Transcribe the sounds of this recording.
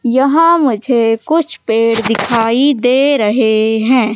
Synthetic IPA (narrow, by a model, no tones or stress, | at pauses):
jɐɦãmʊd͡ʒʱekʊt͡ʃʰpeːɽd̪ɪkʰaːid̪eːɾɐɦeɦɛ̃ː